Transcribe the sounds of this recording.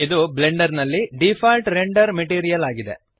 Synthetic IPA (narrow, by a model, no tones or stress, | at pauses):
id̪ubleɳɖɐɾnɐlːiɖipʰaːlʈɾeɳɖɐɾmeʈiːɾijɐlaːɡid̪e̞̰